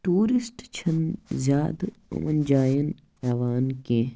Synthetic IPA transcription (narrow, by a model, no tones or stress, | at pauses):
ʈuːɾisʈt͡ʃʰɐnzʲjaːd̪ʊ̰mɐnd͡ʒaːjən | ɛːʋaːnkẽː